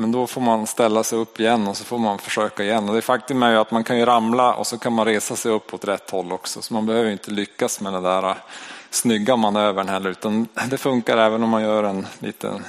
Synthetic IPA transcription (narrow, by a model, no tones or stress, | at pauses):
mɛnd̪ɔfoːɾmanst̪ɛlːasɛjɵpːɪjɛnːɔsɔfoːɾmanfœʂøːkaɪjɛnːɔd̪ɛːfak̚t̪ɵmæɾjat̪mankʰanjɵɾamlaʔɔ̰sɔkʰanmanɾeːsasɛjɵpːɔt̪ɾɛt̪ːhɔlːɔksɔ̰sɔmanbɛhøːvəjɪnt̪ʰəlʏkːasmɛd̪ɛnd̪æːɾasnʏɡːamanøːvəɳhɛlːəɾʉ̟ːt̪and̪ɛfɵŋkaɾɛːvənɔmːanjœːɾɛnlḭːt̪ə̰